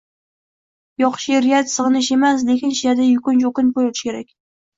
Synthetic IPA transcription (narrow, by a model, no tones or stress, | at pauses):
jɒχʃiɾjʲat̪sɨʁɨnɪʃe̞mas̬lekʲɪnʃjad̪ajʊkʊnt͡ʃokʊnpʰojot̪ɪ̥ʃkʲe̞ɾakʲ